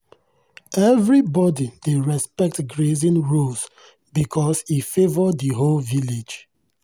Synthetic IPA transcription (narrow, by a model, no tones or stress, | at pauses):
ɛvɹibɔdideɹɛspɛk̚tɡɹezĩnɹuls | bikʰɔsifevɔdðiɦolviled͡ʒ